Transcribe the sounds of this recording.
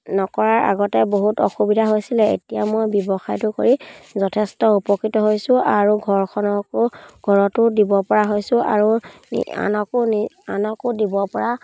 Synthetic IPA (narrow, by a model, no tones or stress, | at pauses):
nɔkɔɹaɹʔa̰ɡɔtɛboɦutɔ̰xubidʱaɦojsilɛḛtijamojbjɔbɔxajtʊkoɹizɔtʰɛstɔupɔkɹitɔɦojsʊ̃aɹuɡʱɔɹkʰɔnɔkʊɡ̥ʱɔɹɔtʊdibɔpɔɹaɦojsʊ̃a̰ɹu | ḭa̰nɔkʊni | anɔkʊdibɔpɔɹa